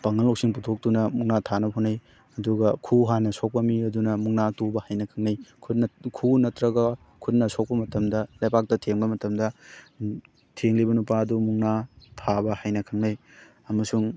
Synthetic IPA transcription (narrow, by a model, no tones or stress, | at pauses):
pɐŋɐlok̚siŋputʰok̚tunɐmuŋnatʰanɐpʰonaj | ɐduɡɐkʰuɦanɐsok̚pɐmiɐdunɐmuŋnatobɐhajnɐkʰɐŋnajkʰunɐkʰunɐtɾɐɡɐ | kʰudnɐsok̚pɐmɐtɐmdɐlajpak̚tɐtʰeŋbɐmɐtɐmdɐ | tʰeŋlibɐnupaɐdumuŋnatʰabɐhajnɐkʰɐŋnaj | ɐmɐsuŋ